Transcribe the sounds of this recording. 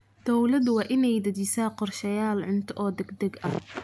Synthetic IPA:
d̪̥ɔwlɐd̪wɑːʔɪnɛjd̪ɐdisaːqɔrʃɐjaːlʕʊnt̪ʰɐʔɔːd̪ɛɡd̪ɐɡɐh

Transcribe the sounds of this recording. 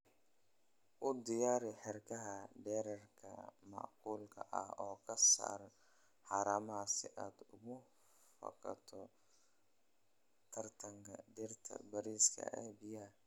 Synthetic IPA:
ʔʊd̪ɪjaːɾɪħɪrkʰɐɦɐɖɛːɾɐrkʰɐ̰mɑ̰ʔquːlkʰɐʔɐ̰hɔːkʰɐsa̰ːɾ | ħɑːɾaːmɐsɪʔaːd̪ʊɣʊ | fɐ̰kʰɐ̰t̪ʰɔ | t̪ʰɐrt̪ʰɐŋkʰɐ̰ɖɪrt̪ʰɐ̰bɐɾiːskʰɐ̰ʔɛ̰ːbɪja

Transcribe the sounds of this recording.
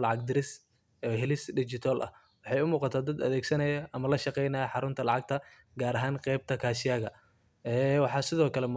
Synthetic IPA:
lɑʕɑɡ̚d̪ɪɾɪs | ɛːɦɛlɪsɖɪt͡ʃɪt̪ʰalʔɐ̰h | wɑħɑjʊmuːqɑt̪ʰaːd̪ɐd̪ɐ̰ðɛːɡsɐnɐjɐʔɐmɐlɐʃɑqɛjnɐjɐħɑɾʊnt̪ʰɐlɑʕɑɡ̚t̪ʰɐ | ɡaːɾɐɦaːŋqɛjb̚t̪ʰɐkʰaːʃɪjaːɣɐ | ɛːwɑħɑːsɪðɔːkʰɐlɛmʊː

